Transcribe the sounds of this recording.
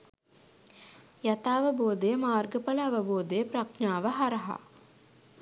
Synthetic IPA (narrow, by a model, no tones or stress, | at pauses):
jat̪aːʋəboːd̪əjəmaːrɡəpələːʋəboːd̪əjəpraknaːʋəɦaɾɐɦa̰